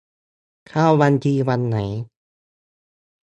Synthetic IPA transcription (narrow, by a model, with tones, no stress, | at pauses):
kʰaː˧˩˨wwa˧ntiː˧wa˧nːa˩˦j